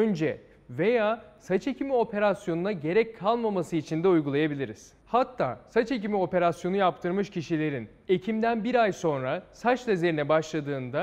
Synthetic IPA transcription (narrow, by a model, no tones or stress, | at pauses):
ønd͡ʒɛ | ve̞jaːsat͡ʃe̞cʰimio̞pʰe̞ɾasjo̞nunaɟe̞ɾɛc̚kʰːalˠmamasɯit͡ʃʰind̪ɛujɡulˠajabilʲiɾiz̥ | hat̪ʰːa̰ːsat͡ʃe̞c̬imio̞pe̞ɾasjo̞nujapt̪ʰɯɾmɯʃcʰiʃilʲe̞ɾin | e̞cʰimd̪ænbiɾajso̞nɾasat͡ʃlʲˠaze̞ɾinɛbaʃlˠad̪ɯːnd̪a